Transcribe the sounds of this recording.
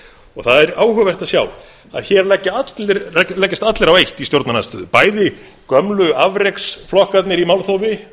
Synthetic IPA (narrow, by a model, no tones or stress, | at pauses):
ɔɣθaðɛɾaːwɦʏːvajr̥t̪aðsjaːw | a̰ðçɛɾlɛcːaat̪lɾɛlɛcːɪst̪at̪lɛɾawejht̪ist̪jowɾt̪nanast̪ʏðʏpaːjðɪ | kœmlʏavɾejksflɔhkat̪nɪɾimawlθowvɪ